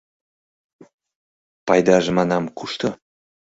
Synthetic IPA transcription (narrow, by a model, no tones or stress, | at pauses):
pɑjd̪ɑʒəmɑnɑmkuʃt̪o